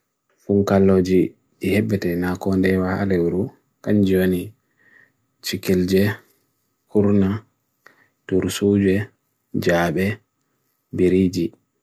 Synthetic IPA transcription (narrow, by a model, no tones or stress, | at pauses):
fuŋkalːoːd͡ʒi | ɗihɛbːɛtɛnakɔndɛwaha̰lɛwuɾu | kand͡ʒiwoni | t͡ʃikild͡ʒɛ | huɾna | tuɾsud͡ʒɛ | d͡ʒaːɓɛ | biɾid͡ʒi